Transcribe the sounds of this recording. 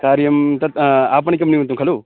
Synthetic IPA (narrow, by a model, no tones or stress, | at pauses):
kaːɾjɐmt̪ɐt̪aːp̬ɐɳikɐmniũnt̪ũŋkʰɐluː